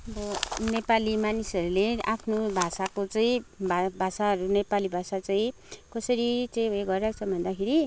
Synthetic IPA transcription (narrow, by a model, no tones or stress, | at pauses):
ʌbʌnepalimanisʌɾuleʔapʰnobʱasakot͡saĩbʱabʱasaʌɾunepalibʱasat͡saĩ | kʌsʌɾit͡sʌĩeɡʌɾɾakt͡sʰʌbʱʌnd̪akʰeɾi